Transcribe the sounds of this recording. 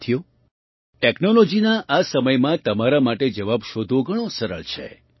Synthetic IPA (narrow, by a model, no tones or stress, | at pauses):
t̪ʰijo | ʈeknolod͡ʒinaʔasəməjmãt̪əmaɾamaʈed͡ʒəʋabʃod̪ʱoɡʱəɽ̃osəɾə̰ɭt͡ʃʰḛ